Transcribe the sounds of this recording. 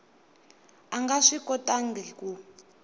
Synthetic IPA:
aŋɡaʂikʼɔtʼaŋɡilku

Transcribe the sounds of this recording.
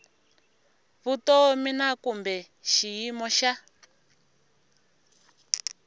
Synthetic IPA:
βutɔminakumbɛ | ʃijimɔʃa

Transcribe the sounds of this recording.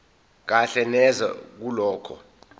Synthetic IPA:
k̬aɬɛnɛza̰k̬ulɔːkʰɔ̰

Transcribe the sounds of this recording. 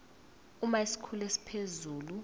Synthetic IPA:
umaisi̥kʰulesi̥pʰezuːlu

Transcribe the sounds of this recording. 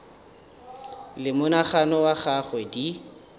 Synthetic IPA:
lɪmʊnaχanɔwaχaχwɛdi

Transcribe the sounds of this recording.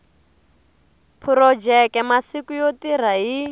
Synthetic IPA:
pʰuɾɔd͡ʒɛkɛmasikujotiɾ̤aɦi

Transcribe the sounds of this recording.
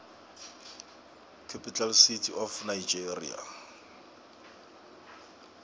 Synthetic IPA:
kʰapʼitalsitʰiʔɔfnaid͡ʒerḭa̰

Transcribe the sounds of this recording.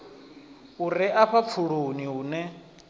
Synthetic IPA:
uɾiʔaɸafʰuɺoniɦuːnɛ

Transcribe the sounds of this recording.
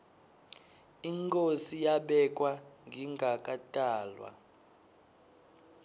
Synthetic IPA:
iŋkʼosijaɓɛkʼwaŋɡʱiŋɡʱakʼatʼaːlwa̰

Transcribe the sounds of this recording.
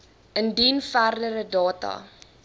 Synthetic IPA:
əndinfærdəɾədɑːtɐ̰

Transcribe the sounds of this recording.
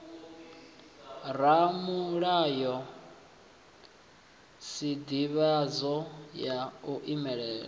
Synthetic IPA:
ramuɺajɔ | sid̪iβazɔjauʔimɛɺɛːɺa

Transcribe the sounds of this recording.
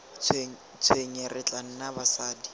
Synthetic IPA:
t͡sʰweɲerɪt͡ɬʼan̩nabasaːdi

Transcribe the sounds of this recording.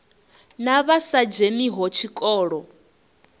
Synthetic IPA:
naβasad͡ʒeniɦɔt͡ʃʰikʼɔːɺɔ

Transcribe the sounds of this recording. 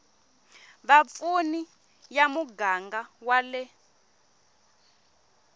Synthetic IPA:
βap̪funi | jamuɡaŋɡawalɛ

